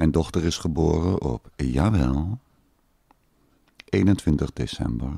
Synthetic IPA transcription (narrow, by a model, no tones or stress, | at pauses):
ɛndɔχtəɹɪsχəboːrənʔɔ̰pjaːʋɛlˠ | ʔejnəntʋɪntəχdḛsɛ̰mbəɹ